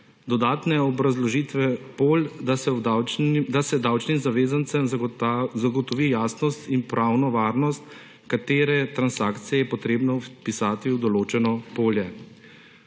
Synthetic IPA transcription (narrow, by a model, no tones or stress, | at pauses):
d̪ɔd̪aːt̪nɛɔbɾazlɔʒit̪ʋɛpoːld̪asɛd̪awd̪asɛd̪awt͡ʃnimzaʋeːzant̪səm | zaɡɔt̪ɔʋiːjaːsnɔst̪inpɾʔawnɔʋaːɾnɔst̪ | kat̪eːɾɛt̪ɾansaːkt̪sijɛjɛpɔt̪ɾeːbnɔpisaːt̪iwd̪ɔloːt͡ʃɛnɔpoːljɛ